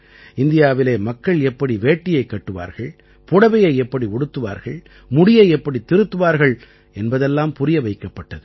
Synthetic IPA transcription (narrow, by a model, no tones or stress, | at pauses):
ɪnd̪ɪjaːʋɪleːmɐkːɐɭɛpːɐɽiʋeːʈːɪjɐɪkːɐʈːɯʋa̰ːɾɣɐɭ | pʊɽɐʋɐjɐɪɛpːɐɽiʊɽɯt̪ːɯʋa̰ːɾɣɐɭ | mʊɽɪjɐɪɛpːɐɽit̪ːɪɾɯt̪ːɯʋaːɾɣɐɭ | ɛnbɐðɛlːaːmpʊɾɪjɐʋɐɪkːɐpːɐʈːɐðɯ